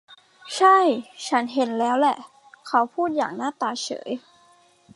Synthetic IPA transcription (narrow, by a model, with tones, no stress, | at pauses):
t͡ɕʰa˥˩jt͡ɕʰa˦˥nɦe˨˦nlɛː˦˥wlɛ˨˩ʔ | kʰa˦˥wpʰuː˥˩t̪̚ja̰ː˨˩ŋnaː˥˩t̪aː˧t͡ɕʰɤ̰ː˩˦j